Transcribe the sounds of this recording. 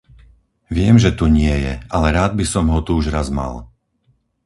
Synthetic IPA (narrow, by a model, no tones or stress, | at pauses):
ʋɪɛmʒɛt̪uɲɪɛjɛ̰alɛɾaːd̪̚bisɔmɦɔt̪uuʒɾazma̰l